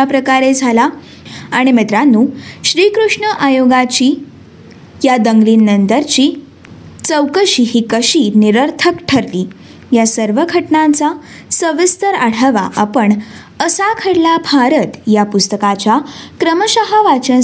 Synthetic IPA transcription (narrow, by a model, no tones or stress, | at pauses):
apɾəkaɾed͡zʱala | aɽ̃imit̪ɾanːuːɕɾiːkɾuʂɳəʔajoɡat͡ɕiː | jad̪əŋɡliːnːənt̪əɾt͡ɕiː | t͡səwkəɕiːɦiːkəɕiːniɾəɾt̪ʰəkʈʰəɾliː | jasəɾʋəɡʱəʈɳat͡sa | səʋist̪əɾaɽ̤aʋa̰ʔapəɳ | əsakʰəɽlabʱaɾət̪japust̪əkat͡ɕakɾəməɕaɦaʋat͡ɕən